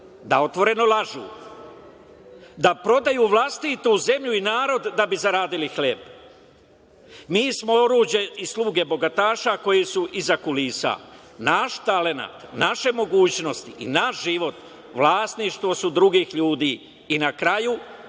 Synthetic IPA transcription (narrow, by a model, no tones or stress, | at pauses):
d̪ao̞t̪ʋo̞ɾe̞no̞lˠaʒṵː | d̪apɾo̞d̪ajuʋlˠast̪it̪uze̞mʎuinaːɾo̞d̪ːabizaɾaːd̪ilixleb | miːsmo̞o̞ɾuːd͡ʑe̞ʔislˠuːɡe̞bo̞ɡat̪aːʃako̞jisuʔizakulisa̰ | naʃt̪ale̞na̰t̪naʃe̞mo̞ɡuːt͡ɕno̞st̪iʔḭnaʃʒiʋo̞t̪ | ʋlˠaːst̪niʃt̪ʋo̞sud̪ɾuɡiːxʎuːd̪iː | nakɾaju